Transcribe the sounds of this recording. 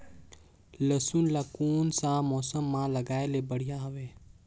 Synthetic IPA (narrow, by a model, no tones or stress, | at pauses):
ləsunlakuːnsãmɔːsəmːãləɡaːelebəɽ̤ijaɦɐʋeː